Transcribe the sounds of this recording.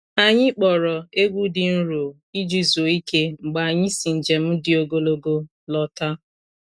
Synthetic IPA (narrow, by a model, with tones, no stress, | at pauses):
a˨ɲɪ˦k͡pɔ˨ɾɔ˨e˦ɡʷu˦dɪ˨n̩˦ɾo˨ | i˦d͡ʒi˦zo˨i˦ke˦ŋ͡m̩˨ɡ͡ba˨ɲɪ˦si˨n̩˨d͡ʒe˨m̩˦dɪ˦o˦ɡo˦lo˦ɡo˦ | lɔ˦ta˦